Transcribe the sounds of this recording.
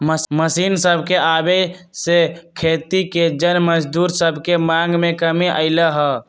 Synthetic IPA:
məməsinsəbʱkeabesekʰet̪iked͡ʒənməd͡ʒd̪uɾsəbʱkemãŋɡmekəmiʔə̰ɪləɦə

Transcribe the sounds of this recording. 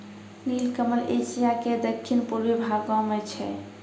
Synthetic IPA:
nilkəməlesijaked̪əkʰːinpuɾbibʱaɡɔmet͡ʃʰɛ̰

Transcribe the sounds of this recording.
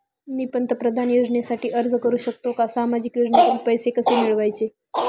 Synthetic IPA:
niːpənt̪əpɾəd̪ʱanjod͡ʑnesaʈiːʔəɾd͡zkəɾuːɕəkt̪okasamad͡ʑikjod͡ʑnat̪uɾpəjsekəsemiɭʋajt͡ɕe

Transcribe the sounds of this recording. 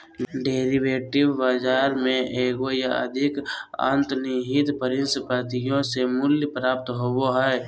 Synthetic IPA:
ɖeːɾiʋeːʈɪʋːaːd͡ʒaːɾmẽʔeːɡojaə̰d̪ʱɪkə̰̃nt̪niɦɪt̪pəɾɪnspət̪ijõsemʊljəpɾaːp̚t̪ɦowoɦɛː

